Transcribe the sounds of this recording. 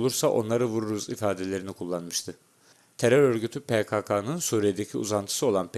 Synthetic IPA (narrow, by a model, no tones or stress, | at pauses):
lˠuɾsaʔo̞̰nlˠaɾɯvuɾuɾuzifaːd̪e̞lʲe̞ɾinikʰulˠːanmɯʃt̪ʰɯ | t̪ʰeɾøɾø̞ɾɟyt̪ʰypʰekʰakʰanɯnsuːɾijed̪ecʰiṵzant̪ʰɯ̥sɯo̞lˠanp